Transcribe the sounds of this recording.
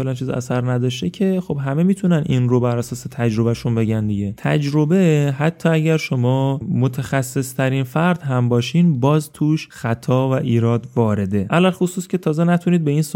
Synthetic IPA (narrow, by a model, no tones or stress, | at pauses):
felænt͡ʃʰiːzæ̰sæɾnæd̪ɒːʃt̪ecʰe̞xo̞bɦæme̞miːt̪ʰunænʔiːnrobæɾæsɒːse̞t̪ʰæd͡ʒɾo̞bæʃunbe̞ɟænd̪iɡɟe̞t̪ʰæd͡ʒɾo̞beɦæt̪ʰːɒːæɟʲæɾʃo̞mɒːmot̪ʰexæsːe̞st̪ʰæɾinfæɾd̪ɦæmbɒːʃiːnbɒːzt̪ʰuːʃxæt̪ʰɒːvæʔiːɾɒːd̪vɒːɾe̞d̪e̞ʔælælxosuːscʲʰe̞t̪ʰɒːzenæt̪ʰuniːd̪̚be̞iːns